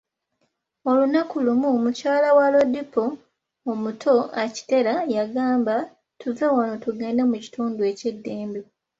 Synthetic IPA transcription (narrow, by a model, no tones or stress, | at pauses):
olunakulumumucaːlawalo̞dipoː | mutʰo̞aci̥te̞ɾajaɡaːmba | tʰuvewanotuɡe̞ːndemuci̥tuːndue̞ce̞dːe̞ːmbe